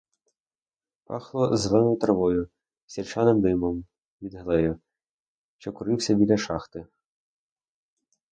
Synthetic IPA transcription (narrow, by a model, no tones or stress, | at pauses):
pɑ̰xlˠɔzlˠɛnɔjʊt̪ɾɐʋɔjʊ | sʲirt͡ʃɑnemd̪ɪmɔm | ʋʲid̪ɦɐlˠɛjʊ | ʃt͡ʃɔkʊɾɪwsʲɐbʲilʲɐʃɑxt̪ɪ